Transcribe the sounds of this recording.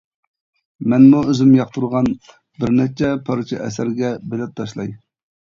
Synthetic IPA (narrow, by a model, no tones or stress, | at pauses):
mɛnmuøzymjɑχt̪ʰuɾʁɑn | bɪɾnɛt͡ʃʰɛpʰɑɾt͡ʃʰɛ̰ʔɛ̰sæɾɡʲɛbelɛp̚t̪ʰɑʃlˠɑj